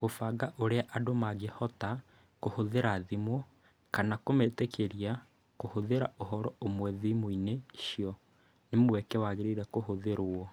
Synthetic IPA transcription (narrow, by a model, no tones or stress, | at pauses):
ofaɡaʔoɾeaʔadomaɣehɔta | kohoðeɾaðimwɔ | kanakometekʰeɾia | kohoðeɾa̰ʔoɦɔɾɔomwɛðimoineʃijɔ | nemwɛkɛwaɣeɾeɾɛkohoðeɾoɔ